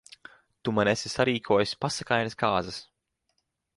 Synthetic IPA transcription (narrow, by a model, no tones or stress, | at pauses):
t̪umanɛsʲisaɾiːkʰuɔjusʲpasakajnaskaːzɐs